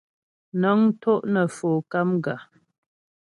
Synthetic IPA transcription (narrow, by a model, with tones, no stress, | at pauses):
nə˨˦ŋ˦to˦ʔnə˨foː˨ka˦mɡa˨